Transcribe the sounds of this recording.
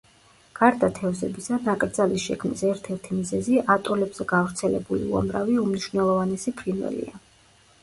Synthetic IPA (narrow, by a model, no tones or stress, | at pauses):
ɡ̥aɾd̪at̪ʰɛvzɛbisanakʼɾd̪zalisʃɛkʰmnḭsɛɾt̪ʰɛɾt̪ʰimizɛziat̪ʼɔlɛbz̥ɛɡ̥avɾt̪sʰɛlɛ̰bulḭṵa̰mɾaviumniʃvnɛlˠɔvanɛsipʰɾinvɛ̰lḭa